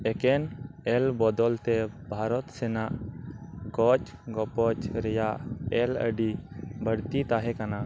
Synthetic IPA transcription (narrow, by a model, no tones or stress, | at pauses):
ɛkɛnɛlbɔd̪ɔlt̪ɛbʱaɾɔt̪sɛnaʔ | ɡɔt͡ʃɡɔpɔt͡ʃɾɛjaʔɛlə̰ɖibəɽt̪it̪aɦɛkana